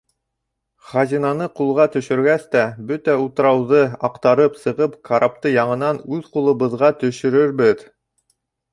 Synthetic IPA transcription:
χɑzʲinɑnɤqulˠʁɑt̪ɵ̆ʃɵ̆ɾɡæst̪æbɵt̪æut̪ɤ̆ɾɑwðɤɑqt̪ɑɾɤpsɤ̆ʁɤpkʰaɾʔap̚t̪ɤjɑɴɤ̆nɑnʉðqulˠɤ̆βɤ̆ðʁɑt̪ɵ̆ʃɵ̆ɾɵɾbɘð

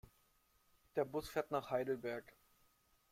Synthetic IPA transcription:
d̥eːɐbʊsfeːɐtnaːχhaɪdl̩bɛɐk

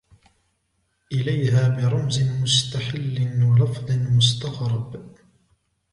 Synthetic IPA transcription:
ʔɪlajhaːbɪɾˤɑmzɪnmʊst̪aħɪlːɪnwalɑfðˤɨnmʊst̪ɑɣɾˤɑb

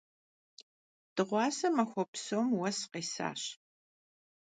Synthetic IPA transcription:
d̥ɨʁʷɑːsɐmɐxʷɔpsoːmwɐsqeːsa̰ːɕ

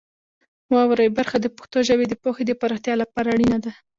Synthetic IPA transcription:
mwɾajbaɾxad̪əpo̥xt̪oʒawed̪əpoxed̪əpaɾoxt̪jɑlapɑɾaɽinad̪a

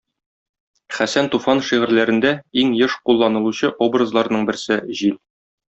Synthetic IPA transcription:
χæsænt̪ufɑnʃiʁɘ̆ɾlæɾɘ̆nd̪æiŋjɤʃqulˠːɑnɤ̆lˠuɕɤʔobrəzlˠɑɾnɤɴbɘ̆ɾsɘʑil

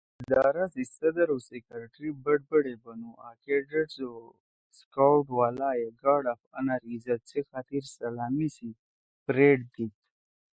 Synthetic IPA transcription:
d̪ɑːɾasisɐd̪əɾosekəɾʈɾibəɖ̚bəɽebanuakeɖəʈso | skawʈwaːlajeɡɑːɽafanaɾizat͡sexat̪iɾsalamisi | pɾeʈ̚d̪it̪

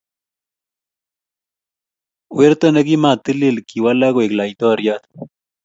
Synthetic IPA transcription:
weɾt̪oneɡimat̪ililkiwalaɡweklait̪oɾjat̪

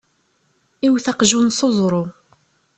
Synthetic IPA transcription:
iwθɑqʒunsˤʊzˤɾˤo

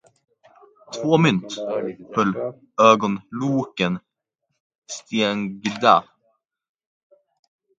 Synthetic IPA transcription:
t̪ʰvoːmʏnt̪hɵlː | øːɡɔnluːkən | st̪eŋɡd̪a

